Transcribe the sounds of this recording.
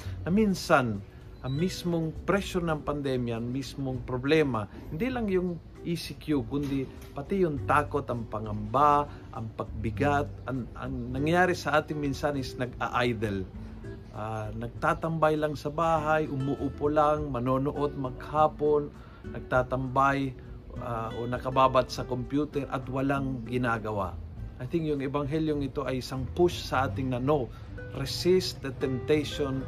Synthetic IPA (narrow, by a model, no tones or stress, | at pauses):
nɐminsan | ʔɐŋmismoŋpɾɛʃonɐŋpɐnd̪ɛmjɐɐŋmismoŋpɾoblɛmɐ | hɪnd̪ilɐŋjʊŋ | ʔisɪkjukʊnd̪ɪ | pɐt̪ijʊŋt̪aːko̞t̪ɐŋpɐŋɐmba | ʔɐ̰ŋpɐɡ̚bɪɡat̪̚ɐŋʔɐ̰ŋnɐŋjaːɾɪsɐʔaːt̪ɪŋminsanɪsnɐɡa̰ʔajd̪ɛl | ʔanɐɡ̚t̪aːt̪ɐmbajlɐŋsɐbaːɦajʔʊmʊʔupolaŋmɐnoːnoʔo̞d̪̚mɐɡ̚haːpo̞nː | ɐɡ̚t̪aːt̪ɐmbaj | aʔonɐkɐbaːbat̪̚sɐkompjuːt̪ɛɾʔɐ̰t̪wɐlaŋɡɪnaːɡɐwa̰ʔɐjθɪŋkjʊŋɛbɐŋɦɛljoŋɪt̪o̞ʔɐjɪsɐŋpʊʃsɐʔaːt̪ɪŋnɐno | ɾɛsɪst̪̚d̪ɐt̪ɛmp̚t̪ɛjʃon